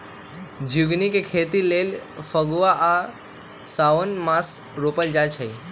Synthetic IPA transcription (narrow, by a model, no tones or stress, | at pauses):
d͡ʒʱuɡnikekʰet̪ilelfəɡʋaʔa | saonmas | ɾopəld͡ʒat͡ʃʰəj